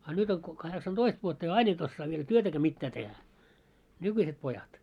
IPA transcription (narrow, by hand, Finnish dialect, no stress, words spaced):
ɑ nyt oŋ ko kɑheksɑntoist ʋuotːɑ jɑ ɑin et osːɑː ʋiel tyøtækæː mitːæː tehæ nykyiset pojɑt